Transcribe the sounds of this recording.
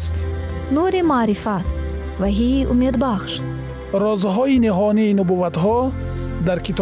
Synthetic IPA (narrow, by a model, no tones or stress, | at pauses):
st̪nuɾimaːɾifat̪ | vaɦiʔumed̪baχʃ | ɾɔzɦɔiniɦɔniːnubuvat̪ɦɔ | d̪aɾkʰit̪ʰ